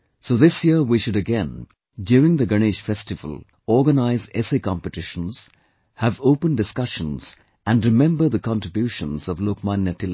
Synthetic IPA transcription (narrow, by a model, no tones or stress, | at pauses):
soðɪsjiɹwiʃʊɾɨɡɛ̃n | djuːɹɪ̃ŋðəɡəneʃfɛstɨvə̰lˠ | ɔɹɡənaɪzdɛseɪkɑ̃mpɨtɪʃə̃nz̥ | həvoʊpə̃ndɨskʌʃə̃nz̥ | æ̃nɹɨmɛ̃mbə˞ðəkʰɑ̃ntɹɪbjuʃə̃nz̥ɔvloːkmãnjətɪl